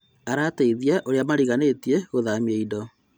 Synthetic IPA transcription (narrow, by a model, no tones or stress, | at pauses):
aɾateiðiaʔoɾeamaɾiɣanetieɣoðamieidɔ